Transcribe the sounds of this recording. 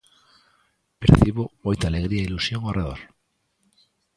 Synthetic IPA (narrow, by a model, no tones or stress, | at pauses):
peɾθiβoojt̪aleɣ̞ɾiailusjoŋareðo̰ɾ